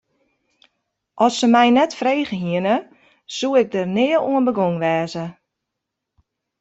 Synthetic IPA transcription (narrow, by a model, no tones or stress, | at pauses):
ʔɔsəmɛjnɛtfrejɣəɦiənə | suɪk̚dərnɪəluənbəɡoŋʋɛːzə